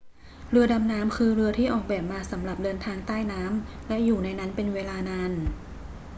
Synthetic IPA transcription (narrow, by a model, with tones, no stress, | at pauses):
ɾɯ˧ɐda˧mnaː˦˥mkʰɯː˧ɾɯ˧ɐt̪ʰiː˥˩ʔɔː˨˩k̚bɛː˨˩p̚maː˧sa˩˦mɾa˨˩p̚dɤː˧nt̪ʰaː˧ŋt̪aː˥˩jnaː˦˥mlɛ˦˥juː˨˩na˧jna˦˥npe˧nweː˧laː˧naː˧n